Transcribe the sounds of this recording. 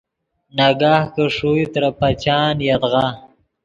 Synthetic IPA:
naɡaːhkəʂuit̪ɾapat͡ʃɑːnjad̪ɣa

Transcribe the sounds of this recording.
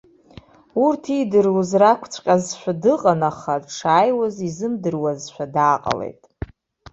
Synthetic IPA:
urtʰidɨrwuzrakʷʰt͡sʷʰʼqʲʼazʃʷᶣadɨqʼanaχadʈ͡ʂʰaːjwazizɨmdɨrwazʃʷᶣadaːqʼa̰le̞̰jtʼ

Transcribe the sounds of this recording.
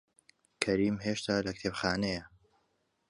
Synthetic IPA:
kʰɐɾiːmɦeʃt̪ʰaːlɐk̚t̪ʰepxaːnejɐ

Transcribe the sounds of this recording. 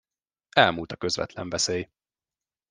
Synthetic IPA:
ɛlmult̪ɒkø̞zvɛ̰t̪lɛɱvɛseːj

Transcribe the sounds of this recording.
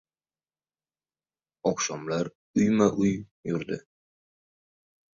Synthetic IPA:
ɒqʃɒmlaɾ | ʊjmaʔʊj | jʊɾd̪ɪ

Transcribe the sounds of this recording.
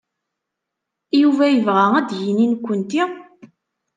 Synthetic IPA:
juvæjəvʁææd̪jininkʷːənt̪i

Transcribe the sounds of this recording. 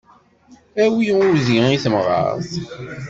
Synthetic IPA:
æwijuziiθəmʁˤɑ̰θ

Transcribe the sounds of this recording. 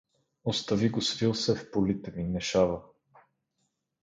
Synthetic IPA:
ost̪ɐviɡosvilˠsɛfpolit̪ɛminɛʃavə

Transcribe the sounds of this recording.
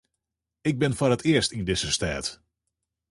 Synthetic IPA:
ɪɡ̚bɪnfʊrətʰɪəstindɪzəstɛːt

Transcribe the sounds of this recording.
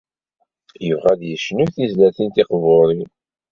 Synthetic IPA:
jəvʁæðjəʃnuθizlæθint̪iqvoɾˤi

